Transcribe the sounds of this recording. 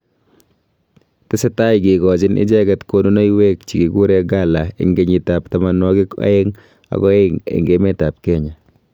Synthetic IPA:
tɛ˦se˦ta˦jɡiɡɔ˨t͡ʃɪ˦nʔɪ̰˦d͡ʒɛ˦ɡɛ˨tkono˦no˦jwek̚t͡ʃi˨ɡiɡu˦ɾɛ˦ɡalaɪ̰˨ŋɡe˨ɲi˨taptamanwɔ˦ɡɪ˦ka̰˦eŋ | a̰˨ɡɔ˦eŋḛ˨ŋɡemɛ˦ta˨p̚kɛɲa˨

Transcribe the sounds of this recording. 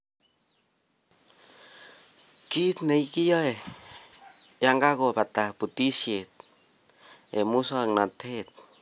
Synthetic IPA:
ki˦t̪ne˨i˦ki˦ja˦e˨ | ja˦ŋɡa˦ɣo˨pa˨t̪a˨pu˨t̪i˦sje˨t̪̚ | e˨mu˦sa˦˨ŋna˨t̪ʰe˦t̪̚

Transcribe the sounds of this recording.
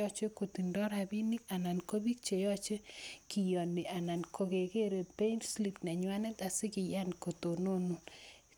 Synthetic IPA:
ɔ˦t͡ʃe˦ko˨ti˨ndɔ˦ɾa˨bi˦ni˦ka˨na˨nko˦bi˦k̚t͡ʃe˨jɔ˦t͡ʃe˦ki˨jɔ˨ni˨ʔa˨na˨nkʰo˨ke˨ke˦ɾe˨pe˦nsli˦pnɛ˨ɲwa˦nɛ˦ta˨sɪ˦kɪ˨ja˦n˨ko˨to˨no˦nu˦

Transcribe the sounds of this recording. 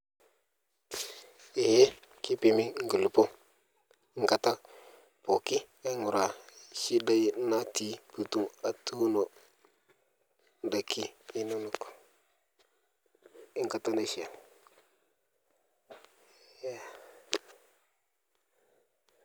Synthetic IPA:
e˨je˦ | ki˦pe˨mi˦ŋ̩˦ɡə˨lu˨po˦ | ŋ̩˨ka˨ta˦ | po˨ki˦ | e˦ŋu˨ɾa˨ʃi˦da˦ji˦na˦ti˦pu˨tu˦ŋa˨tu˦no˨ | n˨da˨ki˦i˦nu˦nu˨ko̥˨ | i˦ŋka˨ta˦na˨ʃi˨a˨ | ja˦

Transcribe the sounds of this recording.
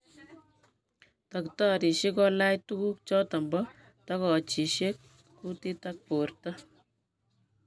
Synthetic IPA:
tɐ˨kta˦ɾi˨ʃe˦kɔ˦la˦jtu˦ku˦k̚t͡ʃɔ˦tɐ˨mbɔ˦ | ta˦kɔ˨t͡ʃi˨ʃe˦kː | u˦ti˦tak̚po˨rta˦

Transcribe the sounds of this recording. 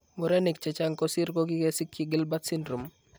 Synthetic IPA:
mʊ˨ɾɛ˦ni˨kt͡ʃɛ˨t͡ʃa˦ŋkɔsi˦ɾko˦ɡi˦ke˦si˦kːjiɡɪ˦lba˦t̪sɪ˦ndɾu˨m

